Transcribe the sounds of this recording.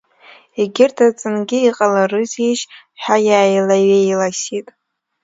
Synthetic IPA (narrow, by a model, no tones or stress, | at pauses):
iɡʲɪrtʰat͡sʼɨnɡʲɪiqʼalarɨziʃ | ħajaːjlaɥejlasitʼ